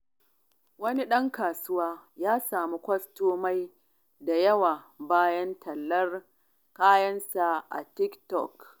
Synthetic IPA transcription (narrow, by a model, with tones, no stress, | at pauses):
wɐ˦ni˦ɗɐ˦ŋkaː˨sʊ˦waː˦jaː˦saː˨mu˦kʷɐ˦stoː˦ma˦j | da˨jɐ˦waː˨ | baː˦jɐ˦ntʰɐ˨lːɐ˦r | kaː˦jɐ˦nsa˨ʔa̰˨tɪ˦ktɔ̰˨k